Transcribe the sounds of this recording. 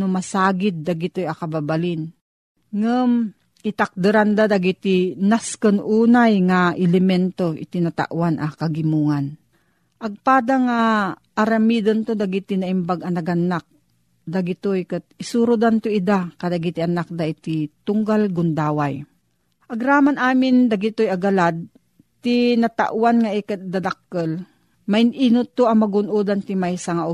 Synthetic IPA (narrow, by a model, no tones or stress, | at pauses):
nomasaːɡɪd̪̚ːaɡɪt̪ojɐkɐbabalɪn | ŋəm | ʔɪt̪ak̚d̪ɨɾand̪ad̪aɡit̪inaskənʔuːnajŋaʔɪlɛmɛnt̪oɪ̰t̪ɪnat̪a̰ʔwanʔakaɡɪmuːŋan | ʔɐɡ̚paːd̪aŋa | ʔːɾamid̪ənt̪od̪aɡit̪inaʔɪmbaɡɐnɐɡanːak̚ | d̪aɡɪt̪ojkɨt̪̚ɪsuɾʊd̪ant̪oid̪akad̪aɡit̪ianak̚d̪aʔɪt̪it̪ʊŋɡalɡʊnd̪aːwaj | ʔɐɡɾaːmanaːmɪnd̪aɡɪt̪ojaɡalad̪̚ | t̪inat̪a̰ʔwanŋaʔɛkat̪̚d̪ad̪akːəl | maɪnʔinʊt̪oɐmaɡʊnʔuːd̪ant̪imajsaŋaʔʊ